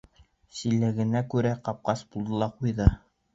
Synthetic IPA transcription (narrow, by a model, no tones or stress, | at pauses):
silːɘ̆ɡɘ̆nækʉɾæqɑp̚qɑsbulˠd̪ɤ̆lˠɑqujðɤ